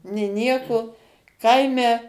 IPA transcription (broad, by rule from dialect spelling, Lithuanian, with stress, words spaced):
nʲeː ˈnʲiɛkoː ˈkɐɪmʲɛ